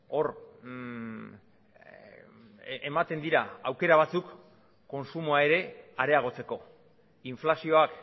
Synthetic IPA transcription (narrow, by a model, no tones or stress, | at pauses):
o̞ɾ | emat̪e̞nd̪iɾaawke̞ɾaβ̞at͡sukː | o̞nsumoae̞ɾe̞aɾe̞aɣ̞o̞t͡se̞ko̞ | iɱflasio̞ak